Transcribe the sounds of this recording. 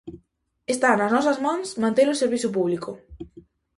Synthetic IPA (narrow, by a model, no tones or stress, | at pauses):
est̪anɐznɔs̬ɐzmãŋsmãnt̪elʊseɾβiθʊpuβlikʊ